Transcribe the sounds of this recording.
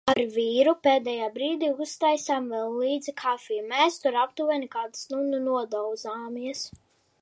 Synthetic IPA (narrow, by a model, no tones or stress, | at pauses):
aɾvʲiːɾupeːd̪ɛjaːbɾiːd̪iːust̪ajsaːmvɛlˠliːd̪zikʰafʲijmɛːst̪uɾapt̪uvɛnikaːd̪ɨsnununuɔd̪ɔwd̪zaːmiɛs